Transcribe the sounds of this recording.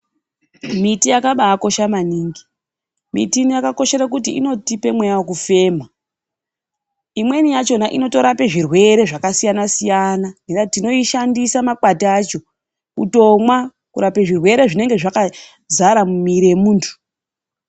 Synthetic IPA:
mitijakaɓaːko̞ʃamaniːŋɡi | mḭtinijakako̞ʃe̞ɾakut̬iino̞tipe̞mwejawok̬ufe̞ːma | imwe̞nijat͡ʃo̞naʔino̞to̞ɾapeʐirwe̞ɾe̞ʐakasijanasijananeɾatino̞iʃandisamakwatiat͡ʃo̞ | kuto̞mwa | kuɾapeʐirwe̞ɾe̞ʐine̞ŋɡeʐaka | zaɾamumiɾemuːntʰu̥

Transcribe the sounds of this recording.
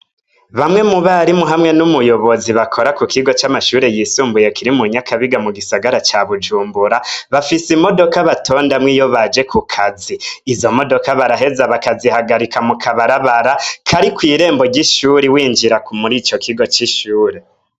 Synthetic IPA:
βamŋe̞muβaɾimuɦamŋe̞numujoβo̞ziβakʰo̞ɾakukiɡo̞t͡ʃamaʃuːɾe̞jisuːmbuje̞kiɾimuɲakʰaβiɡamuɡisaɡaɾat͡ʃaβud͡ʒuːmbuɾaβafisimo̞do̞kaβatʰo̞ːndamŋijoβad͡ʒe̞kukʰaziːzo̞mo̞do̞kaβaɾaɦe̞zaβakazihaɡaɾikamukʰaβaɾaβaɾakʰaɾikwiːɾe̞ːmbo̞ɟiʃuːɾiwiːnd͡ʒiɾakumuɾiːt͡ʃo̞kʰiɡo̞t͡ʃiʃuːɾe̞

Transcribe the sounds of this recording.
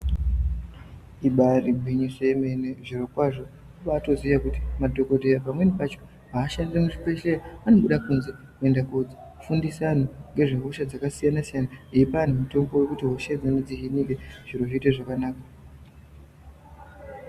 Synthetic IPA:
iɓaribʱiɲiʂemeneʐirokwaʐo̞ | uʋaːto̞ziʋakuti̥madʱo̞ko̞tejapamwe̞nepat͡ʃo̥ | ɦaːʃandiremuʐipe̞ʃeaano̞ɓuɗakunze | kue̞ndakod͡zi | fundisanoŋɡe̞ʐeɦuʃad͡zakasijanasijanaiipanumuto̞mbo̞wekutiɦoʃed͡zaned͡ziʒinikeʐ̥iɾoʐiteʐakanaːka

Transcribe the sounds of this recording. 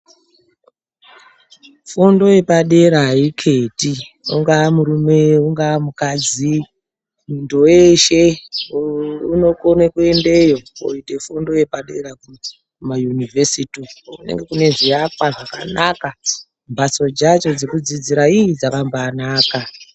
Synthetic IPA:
fondo̞je̞paɗe̞ɾaikʰeti | ṵŋɡaːmuɾumeuŋɡaːmukad͡zi | mundoweʃe̞ | uno̞konekue̞nde̞jo̞o̰ite̞fondo̞je̞paɗe̞ɾaku | majunivesitiṵne̞̰ŋɡe̞kune̞ʐijakwaʐaka̰naka | mbʱaso̞d͡ʒat͡ʃo̞d͡zekud͡zid͡ziɾaiid͡zakambaːnaːka

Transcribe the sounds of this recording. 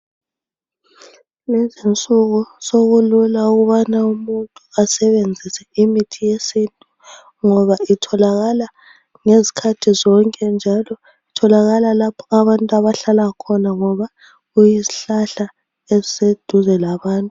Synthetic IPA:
nɛzint͡sʼuɣusoɣululauɣuβanaumuntʼuasɛβend͡zʱisɛimitʰijesintʼu | ŋɔβaitʰɔlaɣala | ŋezi̥kʰatʰizɔŋkʼɛnd͡ʒʱalɔ | itʰɔlaɣalalapʰɔaβantʼuaβaɬalakʰɔnaŋɔβa | ɣujiziɬaɬa | ezised̥ʱuzɛlaβaːntʼu

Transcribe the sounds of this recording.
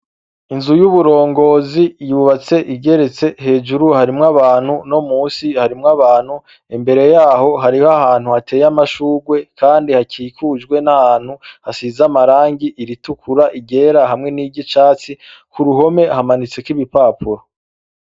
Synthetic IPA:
inzujuβuɾo̞ːŋɡo̞ːzijuβat͡se̞ʔiɟe̞ɾe̞t͡se̞ɦe̞ːd͡ʒuɾuhaɾimŋaβaːn̥huno̞muːsihaɾimŋaβaːn̥hu | imbe̞ɾe̞jaːho̞ɦaɾihoahaːn̥huhate̞ːjamaʃuːɡwe̞kaːndihakiːkud͡ʒɡwe̞nahaːn̥huhasizamaɾaːŋɡiʔiɾitukʰuɾaʔiɟe̞ɾaɦamŋe̞niːɟit͡ʃaːt͡sikuɾuɦo̞me̞hamanit͡se̞kwiβipaːpuɾo

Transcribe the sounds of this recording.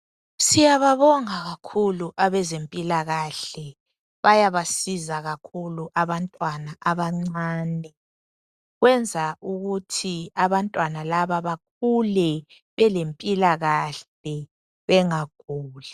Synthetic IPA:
sijaβaβɔŋaɣakʰuluʔaβɛzempʼilaɣaɬɛ | βajaβasizaɣakʰuluʔaβantʼwanaʔaβaŋ͡ǀaːnɛ | ɣwɛnd͡zʱauɣutʰiaβantʼwanalaβaβak̚ʰulɛ | βɛlempʼilaɣaɬ | ɛ | βɛŋaɡ̥ʱuːla

